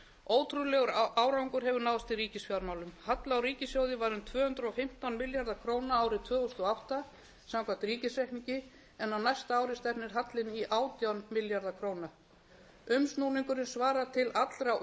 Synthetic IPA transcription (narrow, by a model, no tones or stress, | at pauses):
oːwt̪ʰɾulɛɣʏɾaːwɾawŋkʏɾɦɛvʏɾnawðst̪iriːcɪsfjawɾmaːwlʏmhat̪laawɾiːcɪsfjowðɪvaɾʏmt̪ʰvœːhʏnt̪ɾʏɔfɪm̥t̪anmɪljaɾðakʰɾoːwnaaːwɾɪt̪ʰvœːɣʏst̪ɔawht̪a | samkʰam̥t̪ɾiːcɪsɾɛhkniɲcɪ | ɛnːawnajst̪aaːwɾɪst̪ɛpnɪɾ̥ɦat̪lɪniʔaːwt̪jawnmɪljaɾðakʰɾoːwna | ʏmsnuniŋkʏɾɪnsvaːɾat̪ʰɪlat̪lɾaw